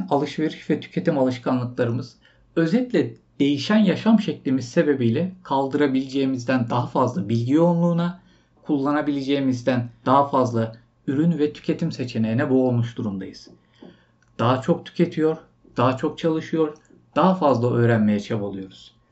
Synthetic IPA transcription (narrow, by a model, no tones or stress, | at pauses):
nalˠɯʃve̞ɾiʃvɛt̪ʰy̥cʰe̞t̪ʰimalˠɯʃkʰanlˠɯklˠaɾɯmɯz̥ | ø̞zɛlʲcʲlʲɛd̪̥e̞jiʃænjaʃamʃɛclʲimiz̥se̞be̞bijlʲɛkʰalˠd̪ɯɾabilʲed͡ʒejimizd̪ænd̪aɦafazlˠabilʲɟio̞nˠlˠuːna | kʰulˠːanabilʲe̞d͡ʒe̞jimizd̪ænd̪̥aɦafazlˠa | yɾynvɛt̪ʰy̥cʰe̞t̪ʰimse̞t͡ʃʰe̞nejnɛboːlˠmuʃd̪uɾumd̪a̰jɯz̥ | d̪̥aɦat͡ʃʰo̞k̚t̪ʰy̥cʰe̞t̪ʰijo̞ɾ | d̪̥aɦat͡ʃʰo̞k̚t͡ʃʰalˠɯʃɯjo̞ɾ | d̪̥aɦafazlˠaʔø̞ːɾænme̞jɛt͡ʃʰabalˠɯjo̞ɾuz̥